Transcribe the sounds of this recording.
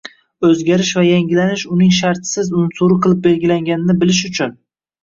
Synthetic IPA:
ɵzɡʲaɾɪʃvajaŋɡʲɪlanɪʃʊnɪŋʃ̬aɾt̪sɪzʊnsuɾɨqʰɨlˠɪp̚be̞lɡʲɪlaŋɡʲanɪnɪbɪlɪʃʊt͡ʃʰʊn

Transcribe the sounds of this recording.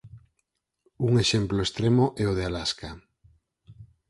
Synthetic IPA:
uŋeʃemploest̪ɾemoʔɛoð̞ealaska

